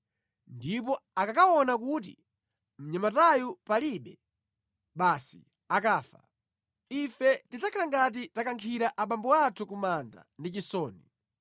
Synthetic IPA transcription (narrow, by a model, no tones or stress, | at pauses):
ndip̬ɔakakawɔnak̬ut̬ḭ | m̩ɲamatajupaliɓɛ | ɓasḭ | akaːfa̰ | ifɛtid͡zakʰalaŋɡat̬itakaŋkʰiɾaʔaɓambɔwatʰukumanda̰ndit͡ʃisɔːni